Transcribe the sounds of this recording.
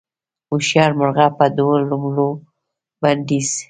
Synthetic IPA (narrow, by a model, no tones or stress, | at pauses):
uʃjɑɾmʊɾɣapad̪wlʊmlo | band̪iz̥